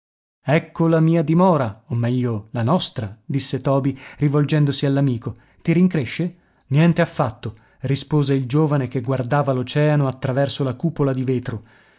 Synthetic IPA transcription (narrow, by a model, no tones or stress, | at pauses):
ɛkːolamiːad̪imɔːɾaomːɛʎːolanɔst̪ɾad̪isːet̪ɔːbirivold͡ʒɛnd̪osialːamiːko | t̪iɾiŋkɾeʃːe | njɛnt̪eafːat̪ːo | rispoːzeild͡ʒoːvanek̟eɡward̪aːvalot͡ʃɛːanoat̪ːɾavɛrsolakuːpolad̪iveːt̪ɾo